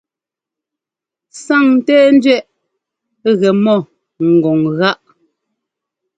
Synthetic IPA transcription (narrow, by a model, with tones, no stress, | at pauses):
sa˦˨ŋ̩˨tɛː˦n˦dɥɛ˦ʔ | ɣɛ˨mɔ˦˨ | ŋ̩˨ɡo˨ŋɣa˦ʔ